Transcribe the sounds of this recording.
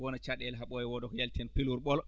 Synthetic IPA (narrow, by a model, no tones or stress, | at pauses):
wɔnat͡ʃaɗɛlɦaɓɔjɛwɔdɔkɔjaltɛnpiluɾɓɔl